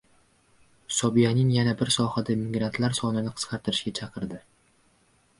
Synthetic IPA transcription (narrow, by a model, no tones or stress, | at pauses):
sɒbijanɪŋjanabɪɾsɒhad̪amɪɡɾant̪ʰlaɾsɒnɪnɪqʰɨ̥sqʰɑɾt̪ʰɾɪʃɡʲat͡ʃʰɑqʰɨɾd̪ɪ